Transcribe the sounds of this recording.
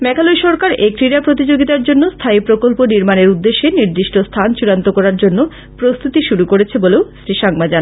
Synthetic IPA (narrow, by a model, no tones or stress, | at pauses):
mɛkʰalojʃɔɾkaɾekɾiɾapɾot̪id͡ʑoɡit̪aɾd͡ʑonːost̪ʰaipɾokolponiɾmaneɾud̪ːeʃːeniɾd̪iʃʈʰost̪ʰant͡ɕuɽant̪okɔɾaɾd͡ʑonːo | pɾost̪ʰut̪iʃuɾukoɾet͡ɕʰeboleosɾiʃaŋmad͡ʑana